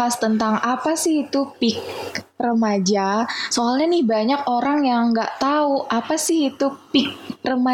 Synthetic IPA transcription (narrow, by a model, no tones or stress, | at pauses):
ast̪ənt̪aŋapasɪhit̪upɪk̚ | rəmad͡ʒasoalɲanɪhbaɲak̚oɾaŋjaŋɡaʔt̪auʔapasɪhit̪upɪk̚rəma